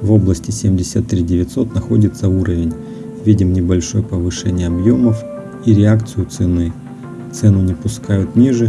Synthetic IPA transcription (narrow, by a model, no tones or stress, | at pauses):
vo̞blˠəsʲtʲɪsʲemʲdʲɪsʲət̪ːɾʲidʲɪvʲɪt̪so̞t̪nɐxo̞dʲɪt̪səuɾəvʲɪnʲ | vʲidʲɪmnʲɪbɐlʲʂo̞jəpəvɨʂɛnʲɪjəɐbjo̞məf | iɾʲɪakt̪sɨjʊt̪sɨnɨ | t̪sɛnʊnʲɪpʊskajʊt̪nʲiʐɨ